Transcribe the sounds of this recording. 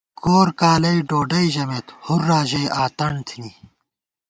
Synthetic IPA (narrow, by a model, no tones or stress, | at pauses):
koːɾkaːlɐiɖoːɖɐiʑɐmeːt̪huɾːaːʑejʔaːt̪ɐɳt̪ʰini